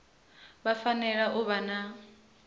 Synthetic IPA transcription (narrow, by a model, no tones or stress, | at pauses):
bafanɛɺaʔʊβana